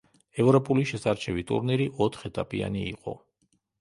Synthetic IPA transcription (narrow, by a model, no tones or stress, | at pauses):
ɛvɾɔpʼuliʃɛsaɾt͡ʃʰɛvit̪ʼṵɾniɾiʔɔt̪ʰχɛt̪ʼapʼia̰niːqʼɔ̰